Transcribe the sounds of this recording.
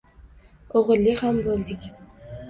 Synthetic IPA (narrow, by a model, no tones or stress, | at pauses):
oʁɨlːɪhambolˠd̪ɪkʲ